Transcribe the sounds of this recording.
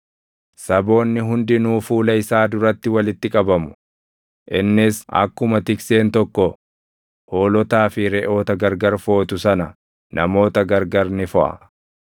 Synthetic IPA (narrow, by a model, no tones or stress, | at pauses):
sɐbo̞ːnːɪɦʊnd̪ɪnuːfuːlɐɪsaːd̪ʊɾɐt̪ːɪwɐlɪt̪ːɪkʼɐbɐmʊ̥ | ʔɪnːɪsɐ̰kːʊmɐt̪ɪkse̞ːnt̪ɔkːɔ | ho̞ːlɔt̪aːfɪɾɛʔo̞ːt̪ɐɡɐɾɡɐɾfo̞ːt̪ʊsɐnɐ | nʔɐmo̞ːt̪ɐɡɐɾɡɐɾnɪfɔʔɐ̰